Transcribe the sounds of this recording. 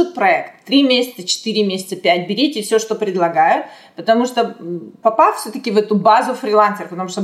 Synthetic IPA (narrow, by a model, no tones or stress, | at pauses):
ut̪̚pɾɐɛkt̪ːɾʲimʲesʲɪ̥t̪sət͡ɕɪ̥t̪ɨɾʲɪmʲesʲɪt̪səpʲæt̚ʲbʲɪɾʲetʲɪfsʲoʂt̪opɾʲɪd̪lˠɐɡajʊt | pət̪ɐmuʂt̪opɐpast̪fsʲɵt̪əkʲɪvɛt̪ʊbazʊfɾʲɪlˠansʲɪrəpət̪ɐmuʂt̪o